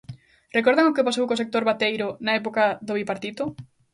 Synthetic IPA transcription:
rekoɾðaŋokepasowkosek̚t̪oɾβat̪ejɾʊnɐɛpokaðoβipaɾt̪it̪ʊ

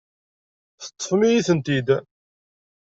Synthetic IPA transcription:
θə̥t̪ˤːəfmijiθənt̪id̪

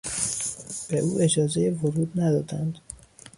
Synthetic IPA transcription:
b̥eʔuːʔe̞d͡ʒɒːzejevoɾuːd̪næd̪ɒːd̪ænd̪

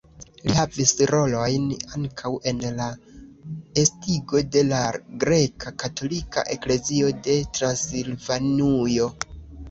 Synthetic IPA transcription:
lḭhavisɾo̞lo̞jnaŋkʰawʔe̞nla | estiɡo̞de̞laɡɾe̞kʰakato̞lika̰ʔe̞kle̞zio̞de̞tɾansilvanujo̞

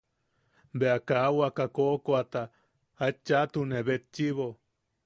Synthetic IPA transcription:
beakaːwakakokoat̪a | at͡ʃːat̪uneβet͡ʃːiβo

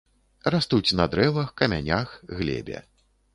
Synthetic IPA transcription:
rast̪ut͡sʲnɐd̪ɾɛvɐxkɐmʲa̰nʲaxɣlʲɛ̰bʲɛ̰

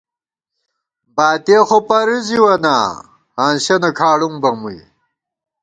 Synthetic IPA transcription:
baːt̪exopɐɾiziwɐna̰ | haːnɕɐnɐkʰaːɽuŋbɐmuj

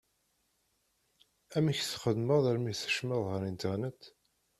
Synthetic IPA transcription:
æmiçθχəðməðˤæɾmiθə̥ʃməðˤhəɾint̪əʁnət̪

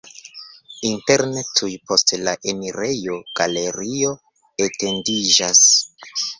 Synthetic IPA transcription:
inte̞ɾnetʰujpo̞stlaʔe̞miɾe̞jo̞ɡ̥ale̞ɾio̞ | ete̞ndid͡ʒas

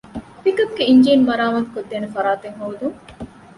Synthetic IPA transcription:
pikɐb̚ɡeiɲd͡ʒiːnmɐɾaːmɐt̪u̥kod̪ːeːnefɐɾaːt̪eŋɦoːd̪uŋ

